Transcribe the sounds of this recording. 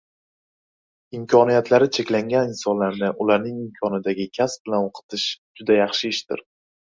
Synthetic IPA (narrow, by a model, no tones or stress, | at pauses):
ɪmkʲʰɒnijat̪ʰlaɾɪt͡ʃʰe̞kʲlaŋɡʲanɪnsɒnlaɾnɪʔʊlaɾnɪŋɪmkʲʰɒnɪd̪aɡʲɪkʲʰasbɪlanoqʰɨ̥t̪ʰɪʃd͡ʒʊd̪ajɑχʃɪːʃt̪ɪ̰ɾ